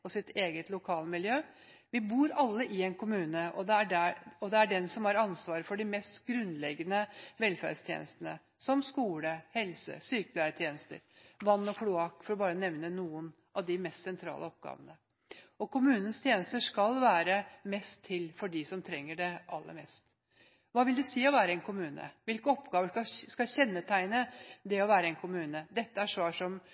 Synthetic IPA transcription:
ɔsɪt̪ʰeːɡət̪lʊkʰɑːləmɪljøː | ʋɪbuːɾɑlːəʔɪɛnkʰʊmʉːnəɔd̪ɛæɖæɔd̪ɛæɖɛnsɔmhɑɾɑnsʋɑːɾəfɔɖɪmɛst̪ɡɾʉnlɛɡənəʋɛlfæ̰ɖst̪ʰjḛːnəst̪ənə | sɔmskuːləhɛlsə̰syːkəblæːɾt̪ʰjḛːnəst̪ə̰ɾʋɑnːɔkʰlʊɑkfɔɾɔbɑːɾənɛʋnənuːən | ʔɑʋd̪ɪmɛst̪sɛnt̪ʰɾɑ̰ːləɔp̚ɡ̥ɑ̰ːʋənə | ɔkʰʊmʉːnən̩st̪ʰjeːnəst̪əʂkɑlʋæːɾəmɛst̪ʰːɪlfɔɖisɔmt̪ʰɾɛŋːəɖɛʔɑlːə̰ɾmɛst̪ | ʋɑːʋɪld̪ʉsiːɔʋæːɾəɛnkʰʊmʉːnə̰ʋɪlkəɔpɡɑːʋəɑskɑɕɛnːət̪ʰæɪnəd̪ɛɔʋæːɾəɛnkʰʊmʉːnəd̪ɛt̪ːəæʂʋɑːʂɔm

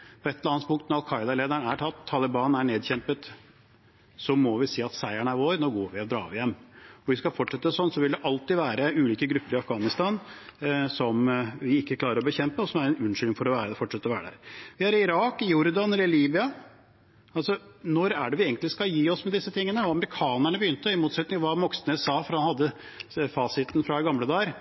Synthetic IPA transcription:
pʰɔɛt̪ːɛlɾɑːnt̪pʰʊŋkt̪nɔɾɑlkʰɑɪd̪ɑleːd̪æɳæʈʰɑt̪ʰːɑlɪbɑːnæɳeːd̪çɛmpət̪ | sɔmɔʋɪsiːɑt̪sæɪæɳæɾʋoːɾnoːɡoːɾʋɪɔd̪ɾɑ̰ːʋɪjɛmːɔʋɪskɑlfɔʈʂɛt̪ːəsɔnːsɔʋɪld̪ɛʔɑlt̪ɪʋæːɾəʉːliːkəɡɾʉpːəɾɪɑfɡɑːnɪst̪ɑːn | sɔmʋɪɪkːəkʰlɑːɾəɾɔbəçɛmpəɔsɔmæɾɛnʉnʂʏlŋfɔɾɔʋæːɾəfɔʈʂɛt̪əɾɔʋæːɾəd̪æ̰ːɾʋɪæɾɪɪɾɑːkjʊɾd̪ɑnɛləliːbɪɑ | ɑlsɔnɔɾæɖɛʋɪeːɡənlɪskɑljiːɔsmɛd̪ɪsːət̪ʰɪŋːənəɔɑməɾɪkʰɑːnæɳəbəjʏnt̪əɔɪmuːt̪sɛt̪nɪŋɑʋɑːmɔksnəsɑːfɔɾhɑnhɑd̪ːə | fɑːsɪt̪n̩fɾɑɛɡɑmləd̪ɑːəɾ

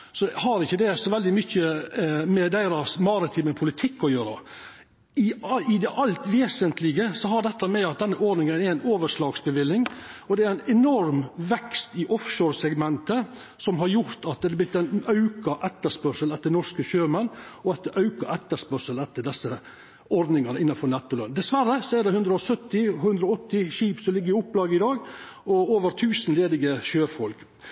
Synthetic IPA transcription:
sɔhɑɾɪçːəd̪ɛsɔʋɛld̪ɪmʏçːəmɛd̪æɪɾɑsmɑɾɪt̪ʰɪːməpʰʊlɪt̪ʰɪkːɔjøːɾə̰ | ɪɪd̪ɛʔɑlt̪ʋeːsənt̪lɪɡəsɔɦɑɖ̪ɛt̪ːəmɛɑt̪̚d̪ɛnːəʔoɖnɪŋənɛɾæɪnoːʋəʂlɑːɡsbəʋɪlːɪŋɔd̪ɛɛɾæɪnɛnɔɾmʋɛkst̪ɪʔɔfʃoːɾsɛɡmɛnt̪ə | sɔmɦɑɾjʊɾt̪ɑt̪̚d̪ɛd̪blɪt̪ːɛɪnɑʉkɑʔɛt̪ːəʂpœɾʂəlɛt̪d̪əɛnɔskəʃøːmɛnːɔɑt̪d̪əʔɑʉkɑ̰ʔɛt̪ːəʂpœɾʂəlɛt̪ːəɖ̪ɛsə | ɔɾd̪nɪŋɑnəɪnːɑfɔɾnɛt̪ːʊlɑ̰nd̪ɛsʋæɾəsɔɛɾɖ̪ɛhʉnd̪ɾəɔsœt̪ːɪɦʉnd̪ɾɔɔt̪ːɪʃiːpsɔlɪɡːəɾɪʊpːlɑːɡəɪd̪ɑːɡɔoːʋəɾt̪ʰʉːsənleːd̪ɪɡəʃøːfɔlk

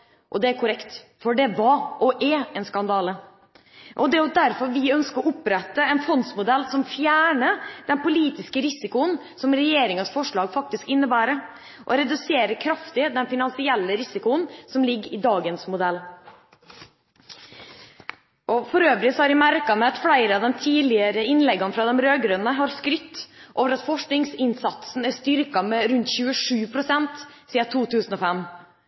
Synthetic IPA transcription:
ʔɔ̰d̪ɛæɾkʰʊɾɛkt̪fɔɖɛʋɑʔɔʔɛɛnskɑnd̪ɑːlə | ʔɔd̪ɛʊd̪æɾfɔɾʋɪœnskəɾɔʊpɾɛt̪ːəɛnfɔnsmʊd̪ɛlːsɔmfjæːɳəd̪ɛnpʊliːt̪ɪskəɾɪsɪkʊən | sɔmɾɛjeːɾɪŋɑsfɔʂɭɑːɡfɑk̚t̪ɪskɪnːəbæːɾə | ʔɔɾɛd̪ʉseːɾəkʰɾɑft̪ɪd̪ɛnfɪnɑnsɪɛlːəɾɪsɪkʊənsɔmlɪɡːɾɪd̪ɑːɡənsmʊd̪ɛlː | ʔɔfɔɾøːʋɾɪsɔhɑɾʋæmæɾkɑmɛɑt̪fɽæɪɾəɑʋd̪ɛnt̪ʰiːlɪəɾəɪnlɛɡɑnfɾɑːd̪ɛmɾøːɡɾʉnəɦɑɾskɾʏt̪ːʔoːʋəɾɑt̪fɔʂknɪŋsɪnsɑt̪sn̩æst̪ʏɾkɑmɛɾʉnt̪çʉːəʂʉːpʰɾʊsɛnt̪siːɑt̪ʰuːt̪ʰʉːsən̩ɔfɛm

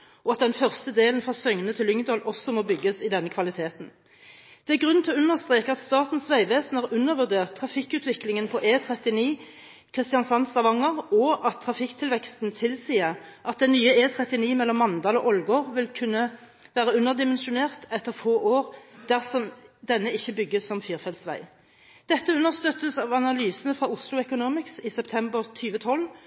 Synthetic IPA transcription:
ɔɑt̪̚d̪ɛnfœʁst̪əd̪eːlən̩fʁɑsœŋənət̪ʰɪlʏŋd̪ɔlɔsɔmoːbʏɡːəsɪd̪ɛnːəkʰʋɑlɪt̪ʰeːt̪n̩ | d̪̥ɛæʁɡʁʉn̩ʰɪlɔʉnːəʁst̪ʁeːkəɑt̪st̪ɑːt̪n̩sʋæɪʋeːsn̩ɑːʁʉnːəʁʋʉʁd̪eːʁt̪ʰːʁɑfɪkːʉːt̪ʰʋɪklɪŋənpʰɔʔeːt̪ʰʁɛt̪ɪniː | kʰʁɪst̪ɪjɑnsɑnsɑʋɑŋəʁɔʔɑt̪ʰːʁɑfɪkt̪ʰɪlʋɛkst̪n̩t̪ʰɪlsiːəʁʔɑt̪̚d̪ɛnnyːəeːt̪ʰʁɛt̪ɪniːmɛlːɔmːɑnd̪ɑːlɔʔɔlɡoːʁʋɪlkʰʉnːə | ʋæːʁəʉnːəʁd̪ɪmɛnʃʊneːʁt̪ɛt̪ːəʁfoːʔoːʁd̪̥æʁsɔmd̪ɛnːəɪçːəbʏɡəsːɔmfyːʁfɛlsʋæ̰ɪ | d̪̥ɛt̪ːəʉnːəʁst̪øːt̪əsɑːʋɑnɑlyːsənəfʁɑːʊslʊɛkʊnuːmɪksisɛpt̪ʰɛmbəʁt̪ʰyːʋət̪ʰɔl

